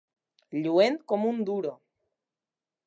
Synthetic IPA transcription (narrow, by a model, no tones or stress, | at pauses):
ʎuent̪komũnd̪uɾo